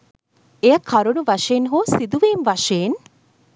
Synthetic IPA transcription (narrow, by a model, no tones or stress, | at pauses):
ejəkʰɐɾunuʋɐʂeːnɦoːsid̪uʋiːnʋɐʂeːn